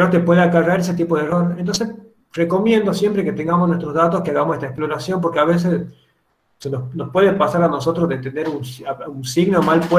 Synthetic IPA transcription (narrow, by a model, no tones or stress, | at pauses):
not̪epwe̞ðeakaraɾes̬et̪ipoðero̞ɾent̪̬o̞nses | re̞ko̞mje̞nd̪osjempɾeket̪eŋɡamosnwest̪ɾo̞zðat̪oskeaɣamosest̪aeksplo̞ɾasjo̞mpo̞ɾkeaβes̬es | senosnospwe̞ðepasaɾano̞so̞t̪ɾozðent̪eneɾunsaunsiɣneomalpwe